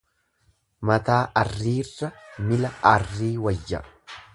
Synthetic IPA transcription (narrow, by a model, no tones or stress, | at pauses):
mɐt̪aːʔɐrːiːrːɐmɪlɐɐrːiːwɐjːɐ